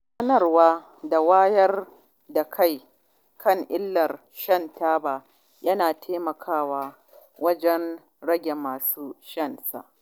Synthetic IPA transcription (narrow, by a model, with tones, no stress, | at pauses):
sɐ˦nɐ˨rwaː˦ | da˨waː˦jɐ˦r | da˨kʰa˦˨j | kʰɐ˦˨ŋʔɪ˦lːɐ˨r | ʃɐ˦˨ntaː˦baː˨ | jɐ˦naː˨tʰeː˦mɐ˨kʰaː˦waː˦ | wɐ˦d͡ʒɛ˦n | ɽɐ˦ɡʲe˨maː˨suː˦ʃɐ˦nsa̰˨ʔ